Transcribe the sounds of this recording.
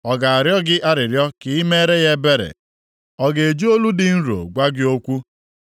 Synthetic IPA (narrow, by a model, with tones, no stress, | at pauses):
ɔ˨ɡa˨a˨ɾjɔ˦ɡɪ˦ʔa˦ɾɪ˨ɾjɔ˦kɪ˨i˦me˦ɾe˦ɣe˦be˦ɾḛ˨ | ɔ˦˨ɡe˨e˨d͡ʒu˦o˦lu˦dɪ˨n̩˦ɾo̰˨ɡʷa˦ɡɪ˦o˦kʷu˦